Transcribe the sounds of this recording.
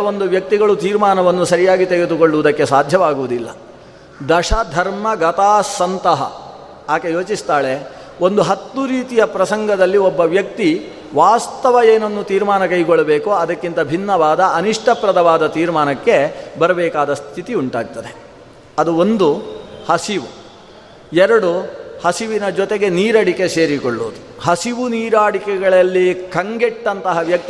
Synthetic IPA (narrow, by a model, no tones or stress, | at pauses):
ɐond̪uʋjɐk̚t̪iɡɐɭut̪iːɾmaːnɐʋɐnːusɐɾijaːɡit̪eɡed̪ukoɭɖuʋud̪ɐkːe̞saːd̪ʱjɐʋaːɡuʋud̪ilːɐ | d̪ɐʂɐd̪ʱɐɾmɐɡɐt̪aːsɐnt̪ɐɦɐ̰ | aːkejo̞ːt͡ʃist̪aːɭe̞ | o̞nd̪uɦɐt̪ːuɾiːt̪ijɐpɾɐsɐŋɡɐd̪ɐlːiɔbːɐʋjɐk̚t̪i | ʋaːst̪ɐʋɐeːnɐnːut̪iːɾmaːnɐkɐjɡɔɭːɐbeːkuɐd̪ɐkːint̪ɐbʱinːɐʋaːd̪ɐɐniʂʈʰɐpɾɐd̪ɐʋaːd̪ɐt̪iːɾmaːnɐkːe̞bɐɾɐbɛːkaːd̪ɐst̪ʰit̪iuɳʈaːɡ̚t̪ɐd̪e | ɐd̪uond̪uhɐsiʋu | ɛɾɐɽuhɐsiʋinɐd͡ʒɔt̪eɡe̞niːɾɐɽike̞se̞ːɾikoɭːoːd̪uɦɐsiʋuniːɾaːɽikɛɡɐɭɐlːikʰɐŋɡɛʈːɐnt̪ɐɦɐʋjɐk̚t̪i